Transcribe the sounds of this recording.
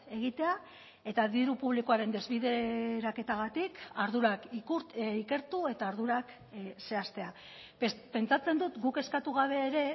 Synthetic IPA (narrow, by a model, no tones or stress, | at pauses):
e̞ɣ̞it̪e̞a | e̞t̪aðiɾupuβ̞liko̞aɾe̞nd̪e̞zβiðeɾake̞t̪aɣat̪ikaɾðuɾak | ike̞ɾt̪ue̞t̪aɾðuɾak | se̞ast̪e̞a | pe̞nt͡sat͡se̞nd̪ut̪ɡuke̞skat̪uɣ̞aβ̞e̞ːɾe̞